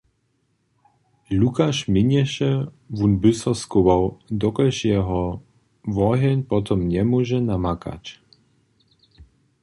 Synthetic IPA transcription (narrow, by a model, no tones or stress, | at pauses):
lukaʃmiɲɛʃɛ | vunbysɔskuvɔwd̪ɔkɛʃjɛɦɔ | vɔɦɛɲpɔt̪ɔmɲɛmɔʒɛnamaka̰c